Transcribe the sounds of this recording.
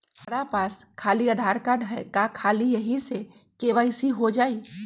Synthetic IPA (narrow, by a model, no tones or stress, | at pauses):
ɐɾapaːskʰaːliaːd̪ʱaːɾkaːɖɦɛkakʰaːlijɐɦise | keʋaːɪsiɦod͡ʒaːiː